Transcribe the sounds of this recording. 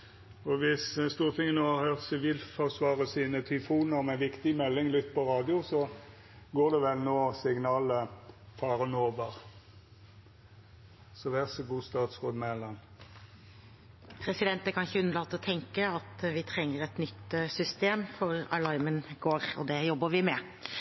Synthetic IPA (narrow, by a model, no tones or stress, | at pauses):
ɔʋɪsst̪uːʁt̪ʰɪŋːənoːhɑhøːʁt̪sɪʋiːlfɔʁsʋɑːʁəsiːnət̪ʰʏfuːnəʁɔmɛnʋɪkt̪ɪmɛlːɪŋlʏt̪ːpʰɔɾɑːd̪ɪʊsɔ | ɡoːd̪ɛʋɛlnoːsɪɡnɑːləfɑːʁənoːbəʁ | sɔʋæʁsəɡuːst̪ɑːt̪sʁoːd̪mɛlɑn | pʰɾɛsɪd̪ɛnt̪əkʰɑnɪçəʉnːəlɑːt̪ɔt̪ʰɛŋkəɑt̪ʋɪt̪ʰʁɛŋːəɾɛt̪nʏt̪ːsʏst̪eːmfɔɾɑ̰lɑɪmənɡoːɾɔ̰d̪ɛjɔbːəʋɪmɛ